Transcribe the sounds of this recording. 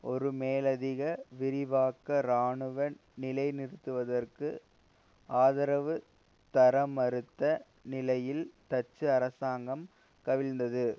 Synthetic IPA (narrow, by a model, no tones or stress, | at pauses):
ɔɾɯmeːlɐðɪɣɐʋɪɾɪʋaːkːɐɾaːɳɯʋɐnɪlɐɪnɪɾɯt̪ːɯʋɐðɐrkɯ | aːðɐɾɐʋɯ | t̪ɐɾɐmɐɾɯt̪ːɐ | nɪlɐjɪlt̪ɐt͡ʃːɯɐɾɐsaːŋɡɐm | kɐʋɪlnd̪ɐðɯ